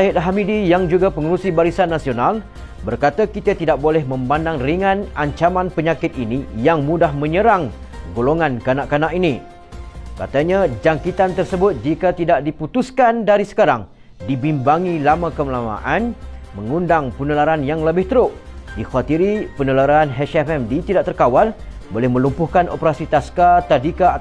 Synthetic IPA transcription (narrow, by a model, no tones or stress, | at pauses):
saɦɪt̪̚ɦamidijaŋd͡ʒuɡapəŋəɾusibaɾisanːasional | bərkat̪akit̪at̪idaʔ̚bolɛhmə̃mbandaŋriŋãnaɲt͡ʃamãnpəɲakɪt̪̚inijaŋmudahmə̃ɲəɾaŋ | ɡoloŋankanaʔkanaʔini | ka̰t̪aɲad͡ʒaŋkit̪ant̪ərsəbʊt̪̚d͡ʒikat̪idaʔdiput̪uskandaɾisə̥kaɾaŋ | dibimbaŋilamakəmlama̰ʔanməŋundaŋpənəlaɾanjaŋləbɪht̪əɾʊʔdixat̪iɾipənəlaɾaanɦɛʃɛfɛmdit̪idaʔ̚t̪ərkawalbolɛhmə̃lumpʊhkanʔo̰pəɾasit̪askat̪adika